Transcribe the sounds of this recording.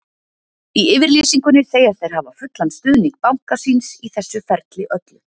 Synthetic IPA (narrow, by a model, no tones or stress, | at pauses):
iɪːvɪɾliːsiŋkʏnɪɾ̥θeːjaɾθejɾ̥havafʏt̪lanst̪ʏːðniŋk̚pawŋ̥kasinsiθɛsːʏfɛɾt̪lɪʔœt̪lʏ